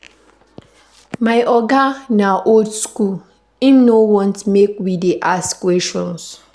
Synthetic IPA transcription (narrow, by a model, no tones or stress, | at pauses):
maɪʔɔɡanaʔoldskul | imnowɔ̃ntmekwideʔaskwɛsʃɔ̃ns